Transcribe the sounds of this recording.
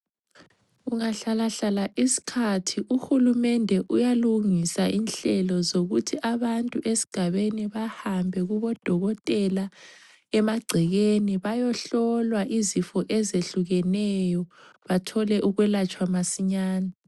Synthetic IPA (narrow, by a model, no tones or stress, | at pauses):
ɣuŋaɬalaɬalaʔisi̥kʰatʰiʔuxulumɛndʱɛʔujaluŋisaʔinɬɛlɔzoɣutʰiʔaβantʼuʔesi̥ɡ̥ʱaβeniβahambʱɛɣuβɔd̥ʱɔɣɔtʼɛla | ɛmaɡ͡ǀʱɛɣeniβajɔɬɔlwaʔizifɔʔɛzeɬuɣɛnɛjɔβatʰɔlɛʔuɣwɛlat͡ʃʼwamasiɲaːna